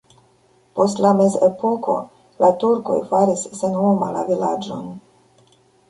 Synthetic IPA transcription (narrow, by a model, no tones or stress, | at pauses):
po̞stlame̞ze̞poko̞̰ | latuɾko̞̰jfaɾisːenomala̰vilad͡ʒo̞̰n